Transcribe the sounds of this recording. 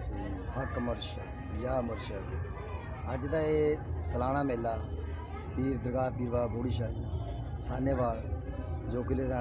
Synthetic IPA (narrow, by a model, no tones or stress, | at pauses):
hət̪məɾʃ | jaːməɾʃa | əd͡ʒd̪aːeːsəlaːɽ̃aːmeːlaː | piːɾd̪əɾɡaːpiːɾʋaːboːɽiːʃaːi | saːneːʋaːl | d͡ʒoːk̬ɪleːd̪aː